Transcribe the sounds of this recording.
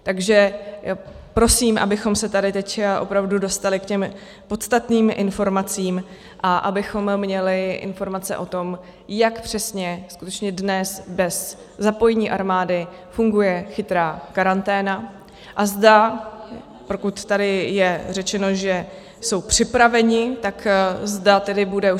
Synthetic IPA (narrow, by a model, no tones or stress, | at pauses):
t̪aɡʒɛ | pɾo̞siːmʔa̰bɪxo̞msɛt̪adɪt̪ɛcʔo̞̰pɾavdudo̞st̪alɪkcɛm | po̞t̪st̪at̪niːmʔɪ̰nfo̞ɾmat͡siːm | ʔaʔabɪxo̞mːɲɛlɪʔɪ̰nfo̞ɾmat͡sɛ̰ʔot̪o̞m | jakpr̝̥ɛsɲɛskut̪ɛt͡ʃɲɛdnɛsbɛs | zapo̞jɛɲiːʔaɾmaːdɪ | fuŋɡujɛxɪt̪ɾaːkaɾant̪ɛːna | ʔazda | pokut̪ːadɪjɛr̝ɛt͡ʃɛno̞ʒɛ | so̞wpr̝̥ɪpɾavɛɲɪt̪akzdat̪ɛdɪbudɛu